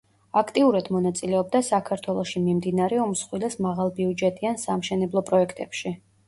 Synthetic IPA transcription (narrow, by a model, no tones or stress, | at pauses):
akʰt̪ʼiuɾad̪̥mɔnat̪sʼilɛɔb̚d̪asakʰaɾt̪ʰwɛlˠɔʃimimd̪inaɾɛumsχwilɛsmaʁalˠbiud͡ʒɛt̪ʼiansamʃɛnɛblˠɔpʼɾɔɛkʰt̪ʼɛpʃi